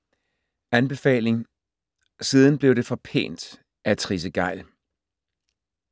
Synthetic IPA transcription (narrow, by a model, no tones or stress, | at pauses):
ænb̥e̝fɛ̰ːle̝ŋ | siːð̞ˠn̩b̥le̝ʊd̥e̝fɒ̽pʰe̝̰ːnd̥ | ʔæt͡sʰʁis̬əɡ̥ɑ̈ɪ̰l